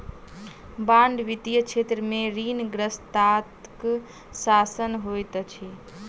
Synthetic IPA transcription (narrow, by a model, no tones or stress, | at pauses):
bãɳɖʋit̪ijət͡ʃʰet̪ɾəmeɾinɡɾəst̪at̪k | sasənɦojt̪t͡ʃʰi